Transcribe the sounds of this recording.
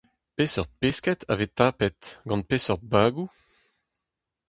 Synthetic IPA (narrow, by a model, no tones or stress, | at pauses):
pesɔʁt̪̚peskɛt̪ʰa̰vet̪aːpɛt̪ɡɑ̃npesɔʁd̪̚baːɡu